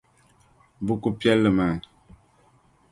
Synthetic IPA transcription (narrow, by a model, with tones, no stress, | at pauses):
bu˦ku˦pjɛ˦lːə˨mɛ˨